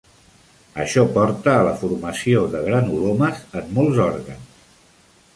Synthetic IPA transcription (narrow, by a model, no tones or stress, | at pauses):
əʃɔpɔɾt̪əːləfuɾməsioðəɣɾanuloməzəmːɔlˠzɔɾɣəns